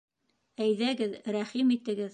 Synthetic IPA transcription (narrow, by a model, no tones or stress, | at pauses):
æjðæɡɘðɾæχimit̪ɘ̆ɡɘð